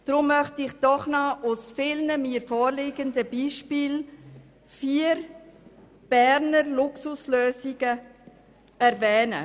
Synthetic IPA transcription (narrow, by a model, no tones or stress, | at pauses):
d̥ɾʊmːœχtɪχd̥ɔχnɑʔusfɪlnəmiːɾfoːɾlɪɡəndəbiːʃpiːl | fiːəɾ | b̥ɛɾnəɾlʊksusløːziɡə | ɛɾvɛːnə̰